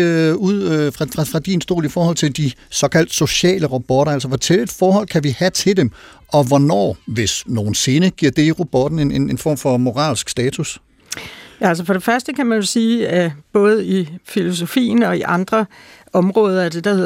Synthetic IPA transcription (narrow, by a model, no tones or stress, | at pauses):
uð̰ˠfʁɑ̈fʁɑ̈fʁɑ̈d̥insd̥o̝̰ːlifɒːhɒ̽l̰t͡sʰe̝ld̥isɒ̽kʰæl̰d̥so̝ɕɛ̰ːləʁab̥ɒɾɐæls̬ɒʋɒt͡sʰeled̥fɒːhɒ̽l̰kʰæʋihæt͡sʰe̝ld̥em | ʔɒ̽ʋɒnɒ̰ːʋe̝sno̝ːn̩se̝ːnəɡ̥iɐ̰d̥e̝iʁob̥ɒd̥n̩enenenfɒ̰ːmfɒ̽mo̝ʁɑ̰̈ːlsɡ̥sd̥ɛːt͡sʰus | jææls̬əfɒ̽ɾ̥e̝fɶɐsd̥əkʰæmænjo̝siːæb̥ɔ̽ːð̞̩ˠifilo̝so̝fḭːn̩ɒ̽iʔɑ̈nd̥ʁɐ | ɒ̽mʁɔ̽ːð̞ˠɐæd̥e̝d̥ɐhe